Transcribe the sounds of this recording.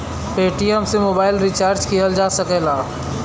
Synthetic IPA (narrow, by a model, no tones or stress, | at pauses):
peːʈiəmsemoːbaːɪlɾit͡ʃaːɾd͡ʒkiɦəld͡ʒaːsəkɛlaː